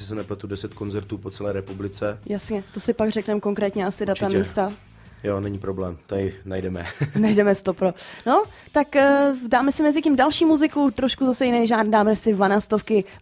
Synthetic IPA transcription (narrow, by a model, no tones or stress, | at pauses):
sɪsɛnɛplat̪udɛsɛt̪konzɛɾt̪uːpot͡sɛlɛːɾɛpublɪt͡sɛjasɲɛt̪o̞sɪpaɡrɛknɛmko̞ŋkɾɛːt̪ɲɛasɪdat̪amiːst̪a | jonɛɲiːpɾoblɛːmt̪aɪnajdɛmɛ̰najdɛmɛst̪o̞pɾono̞ | t̪akdaːmɛsɪmɛzɪcimdalʃiːmuzɪkut̪ɾo̞ʃkuzasɛjɪnɛjʒaːdaːmɛsɪvanaːst̪ofkɪ